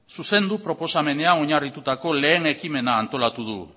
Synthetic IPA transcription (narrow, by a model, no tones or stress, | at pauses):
suse̞nd̪upɾo̞po̞same̞ne̞ao̞ɲarit̪ut̪ako̞le̞ːne̞kime̞naːnt̪o̞lat̪uð̞ṵ